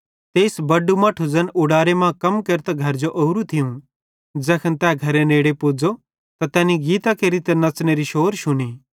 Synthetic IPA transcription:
t̪eːsbɐɖumɐʈʰud͡zɐnʊɽaːɾemãkɐmkɐɾt̪aɡʱɐɾd͡ʒoʔouɾut̪ʰɪjũ | d͡ʒɛːkʰənt̪ɛːɡʱɐɾeneːɽepoːd͡zo | t̪at̪ɛːniɡiːt̪akeɾit̪ɛnɐt͡sneɾiʃoːɾʃʊniː

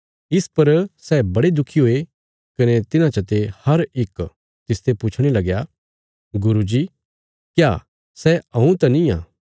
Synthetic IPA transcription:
ɪspɐɾsɛːbɐɽed̪ʊkʰːiɦoːe | kɐnet̪ɪnãt͡ʃət̪ehɐɾɪk | t̪ɪst̪epuːt͡ʃʰɽ̃elɐɡja | ɡʊɾud͡ʒiː | kjaː | sɛɐ̃ũt̪ɐnĩã̰ː

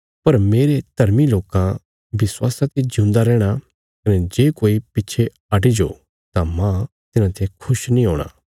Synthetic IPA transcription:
pɐɾmeːɾed̪̥ʱɐɾmiloːkã | bɪswaːsãt̪ed͡ʒʊ̃ːnd̪aɾɛːɽ̃a | kɐnɛd͡ʒeːkoːipɪtːʃʰe | ɐʈid͡ʒo | t̪amã | t̪ɪnãt̪eẽkʰʊʃnĩɦoːɽ̃a̰ː

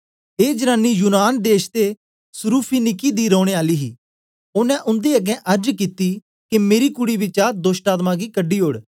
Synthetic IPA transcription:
eːd͡ʒənaːnijʊnaːnd̪eːʃt̪e | sʊɾuːpʰinɪkiːd̪iɾɔːɽ̃eːaːliːɦḭː | ʊnɛ̃ʔʊ̃nd̪eːɐɡɛ̃ʔɐɾd͡ʒkit̪i | kemeːɾikʊɽiʋɪt͡ʃaːɾd̪oːsʈaːt̪mãːɡikəɖːiːɦoːɽ

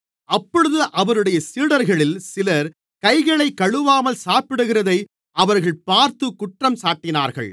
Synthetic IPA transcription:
ɐpːɔɻɯðɯʔɐʋɐɾɯɽɐjɐsiːɽɐɾɣɐɭɪlsɪlɐɾ | kɐɪɣɐɭɐɪkːɐɻɯʋaːmɐlsaːpɪɽɯɣɪrɐðɐɪ | ʔɐʋɐɾɣɐɭpaːɾt̪ɯkʊʈrɐmsaːʈːɪna̰ːɾɣɐ̰ɭ

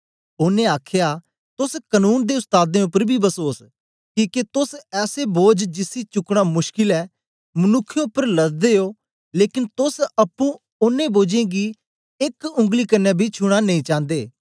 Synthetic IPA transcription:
ʊnẽaːkʰja | t̪ʊskənuːnd̪eʊst̪aːd̪ẽʊpːəɾbʱibɐsoːs | kiːket̪ʊsɛːseboːd͡ʒd͡ʒɪsit͡ʃʊkɽ̃amʊʃkɪlɛː | mɐnʊkʰːj̃ʊpːəɾlɐzd̪eoː | leːkɪnt̪ʊsɐpːũ | ʊnːẽboːd͡ʒẽːɡi | ekʊ̃ŋɡlikɐnːɛbʱit͡ʃʰʊɽ̃anɐĩːt͡ʃãːnd̪eː

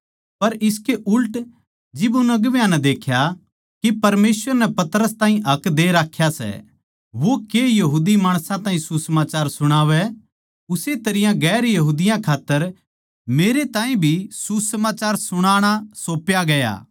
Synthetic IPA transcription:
pɐɾɪskeʔʊlʈ | d͡ʒɪbʊnɐɡʋjãnɛd̪eːkʰja | kipɐɾmeːsʋəɾnɛpɐt̪ɾəst̪ãːĩɦɐkd̪eɾaːkʰːjasɛ̰ | ʋokeːjɐɦuːd̪imaːɽ̃sãt̪ãːɦĩsusɐmaːt͡ʃaːɾsʊɽ̃aːʋɛ | ʊset̪ɐɾɪjãɡɛːɾjɐɦuːd̪ɪjãkʰaːt̪ːəɾ | meːɾet̪ãːĩbʱisusɐmaːt͡ʃaːɾsʊɽ̃aːɽ̃asoːpjaɡɐja̰ː

